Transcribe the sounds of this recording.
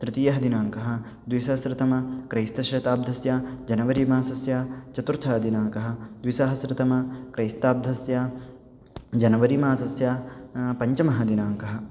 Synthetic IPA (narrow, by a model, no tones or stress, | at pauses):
t̪ɾɪt̪ijɐɦɐd̪inaːŋkɐɦɐ̆ | d̪ʋisɐsɾɪt̪ɐmɐkɾɐjst̪ɐʃɾɐt̪aːb̚d̪ʱɐsjad͡ʒɐnɐʋɐɾimaːsɐsjaːt͡ʃɐt̪uɾt̪ʰɐːɐd̪inaːŋkɐɦɐ̆d̪ʋisɐɦɐsɾɪt̪ɐmɐkɾɐjst̪aːb̚d̪ʱɐsjaː | d͡ʒɐnɐʋɐɾimaːsɐsjaːpɐɲt͡ʃɐmɐɦɐd̪inaːŋkɐɦɐ̆